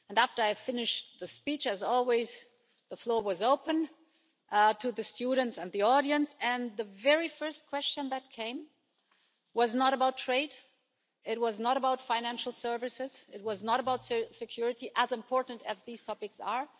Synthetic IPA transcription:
ɨ̃næftə˞aɪfɪnɨʃðɨspit͡ʃɨzɔlˠwiz | ðəflɔɹwʌzoʊpə̃n | tʰɨðɨstuɾⁿn̩tsɨ̃nðiɔɾiɨ̃nsɨ̃nðɨvɛɹifɜ˞stkʰw̥ɛst͡ʃɨ̃nðɨt̚kʰẽɪ̃m | wʌznəɾəbaʊtʰɹ̥eɪd | ɪt̚wʌznəɾəbaʊtfãɪ̃næ̃nʃl̩ˠsɜ˞vɨsɪzɨt̚wʌznəɾəbaʊtssɨkʰj̥ʊɹɨɾiʔəzɨ̃mpʰɔɹʔn̩tɨzðiz̥tʰɑpɨksə˞

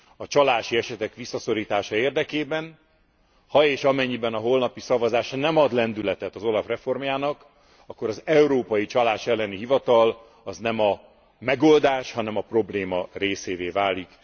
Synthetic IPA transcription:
ɒt͡ʃɒlaːʃiɛʃɛt̪ɛkʋisːɒso̞ɾiːt̪aːʃɒeːrd̪ɛkeːbɛn | hɒeːʃɒmɛɲːibɛnɒɦo̞lnɒpisɒvɒzaːʃnɛmɒd̪lɛnd̪ylɛt̪ɛt̪ɒzo̞lɒfrɛfo̞rmjaːnɒk | ɒkːo̞ɾɒzɛuɾoːpɒjit͡ʃɒlaːʃɛlːɛniɦivɒt̪ɒl | ɒznɛmɒ | mɛɡo̞ld̪aːʃhɒnɛmɒpro̞bleːmɒreːseːveːvaːlik

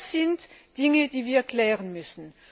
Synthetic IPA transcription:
sɪntd̥ɪŋəd̥iːviːɐɛkʰl̥ɛːʁənmʏsn̩

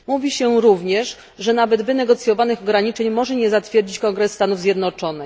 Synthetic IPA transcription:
muvʲiɕɛɾuvɲɛʂ | ʐɛnavɛd̪vɘnɛɡɔt̪sʲjɔvanɘxɔɡɾaɲit͡ʂɛɲmɔʐɛɲɛzat̪fʲjɛɾd͡ʑit͡ɕkɔŋɡɾɛsːt̪anuvzʲjɛd̪nɔt͡ʂɔnɘx

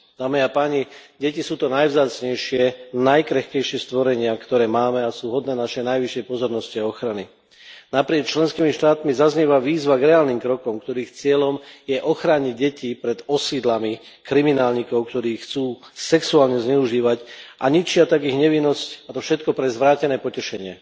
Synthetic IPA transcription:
d̪̥aːmiapaːɲiɟɛcisuːt̪ɔnajvzaːt͡sɲɛjʃɪɛnajkɾɛxkɛjʃɪɛst̪ʋɔɾɛɲɪakt̪ɔɾɛːmaːmɛasuːɦɔd̪nɛːnaʃɛjnajʋiʃːɛjpɔzɔɾnɔsciaɔxɾani | napɾɪɛkt͡ʃlɛnskiːmiʃt̪aːt̪mizazɲɛʋaʋiːzʋaɡɾɛaːlniːmkɾɔkɔmkt̪ɔɾiːxt͡sɪɛlɔmjɛʔɔxɾaɲiɟɛcipɾɛd̪ɔsid̪lami | kɾiminaːlɲiːkɔʊkt̪ɔɾiːxt͡suː | sɛksuaːlɲɛzɲɛuʒiːʋacʔaɲit͡ʃɪat̪aɡiɣɲɛʋinːɔscat̪ɔfʃɛt̪kɔpɾɛzʋɾaːcɛnɛːpɔcɛʃɛɲɪɛ

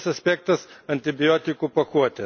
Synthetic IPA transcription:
sɐsʲpʲeːk̚t̪ɐsɐnʲt̪ʲɪbʲɪjoːt̪ʲɪkuːpɐkuɔt̪ʲɛ

